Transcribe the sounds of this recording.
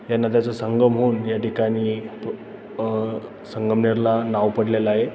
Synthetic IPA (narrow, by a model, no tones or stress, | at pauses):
janəd̪at͡səsəŋɡəmɦoːnjaʈikaɽ̃iː | səŋɡəmɳeɾlanaʋpəɽleləaɦe